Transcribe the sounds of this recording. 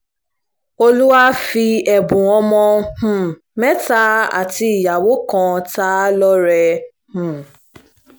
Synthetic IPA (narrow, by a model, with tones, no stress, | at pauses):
o˦lu˦wa˦fi˧ɛ˨bʊ̃˨ɔ˦mɔ̃˧h̩˨ | mɛ˦ta˦a̰˨ti˦˨ja˨wo˦kɔ̃˨ta˦lɔ˦ɾɛ˧ | h̩˨